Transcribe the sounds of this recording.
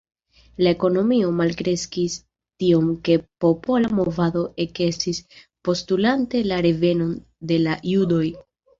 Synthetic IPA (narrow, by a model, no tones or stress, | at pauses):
lae̞ko̞no̞mio̞malkɾe̞skis | tio̞mke̞po̞po̞lamo̞vado̞ʔe̞ke̞sis | po̞stulante̞laɾe̞ve̞no̞n | de̞lajudo̞j